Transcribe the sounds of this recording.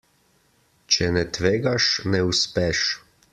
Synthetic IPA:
t͡ʃɛnɛt̪ʋeːɡaʃnɛuspɛʃ

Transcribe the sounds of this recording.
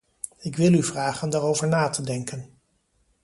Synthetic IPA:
ɪkʋɪlˠyvraːχəndaːrowvəɹnaːtədɛŋkən

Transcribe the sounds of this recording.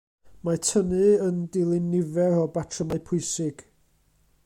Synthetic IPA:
matʰənɨəndɪlˠɪnːɪvɛɾɔbatʰrəmajpʰʊɨsɪɡ̥

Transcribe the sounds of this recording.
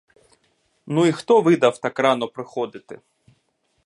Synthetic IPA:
nuixt̪ɔʋɪd̪ɐwt̪ɑkrɑnɔpɾɪxɔd̪ɪt̪ɪ

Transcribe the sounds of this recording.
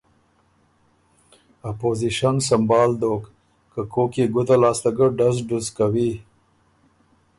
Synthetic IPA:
apoziʃansambɑːld̪oːk | kəkʰokeɡʊd̪alɑːst̪aɡəɖazɖʊzkawi

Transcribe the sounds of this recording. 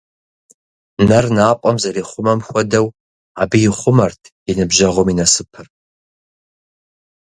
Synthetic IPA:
nɐrnaːpʷʼɐmzɐɾiːχʷʊmɐmxʷɔdɐw | aːbɨjɪχʷʊmɐrtʰjɪnɨbʒɐʁʷɔminɐsɨpʰɨr

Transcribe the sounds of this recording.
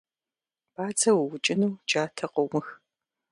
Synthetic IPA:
b̥aːt͡sʰɐwwʊt͡ʃʼɪnuːd͡ʒaːtʰɐqʼɔwmɨx

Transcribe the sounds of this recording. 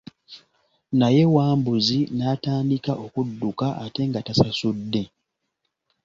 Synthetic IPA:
naje̞waːmbuzinaːtaːndikaʔo̞kudːukaʔate̞ŋɡatasasudːe̞

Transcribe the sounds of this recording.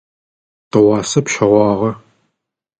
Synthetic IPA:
tʰɐʁɑːsɐpʃɐʁʷɑːʁɐ

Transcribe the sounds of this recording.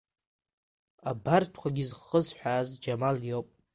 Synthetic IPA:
abartʰkʷaɡʲizχəzħʷᶣaːzd͡ʒamaljopʼ

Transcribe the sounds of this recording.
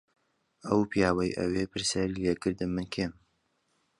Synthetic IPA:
ʔɐwpʰjaːwɐjʔə̰wepʰɨɾsjaːɾilekɨɾd̪ɨmːɨnkʰeːm

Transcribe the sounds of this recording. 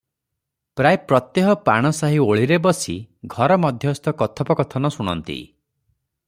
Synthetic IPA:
pɾajpɾɔt̪jeɦɔpa̰ɽ̃ɔsaɦioɭiɾebɔsḭɡʱɔɾɔmɔd̪ʱjɔst̪ɔkɔt̪ʰɔpɔkɔt̪ʰɔnɔsuɽ̃ɔ̰nt̪ḭ

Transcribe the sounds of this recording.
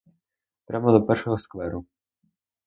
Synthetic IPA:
pɾʲʔamɔd̪ɔpɛrʃɔɦɔskʋɛɾʊ

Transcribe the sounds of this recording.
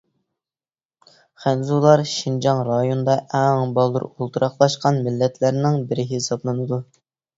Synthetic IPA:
χænzulˠɑɾʃind͡ʒɑŋɾɑjond̪ɑʔɛŋbɑlˠːṵɾolˠt̪ʰuɾʔɑχlˠɑʃqɑnmɪlːɛt̪ʰlæɾnɪŋbɪɾɪɦesɑblˠɨnɨd̪u

